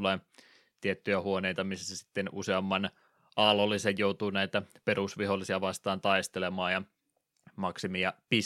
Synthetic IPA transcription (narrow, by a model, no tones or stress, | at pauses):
leː | t̪iet̪ːyjæhuoneijt̪ɑmisːæsæsi̥t̪ːenṵseɑmːɑn | ʔɑlolːˑisejjout̪uːnæit̪æperusʋiholːˑisiɑʋɑst̪ɑːnt̪ɑist̪elemɑːjɑ | mɑksimiɑpi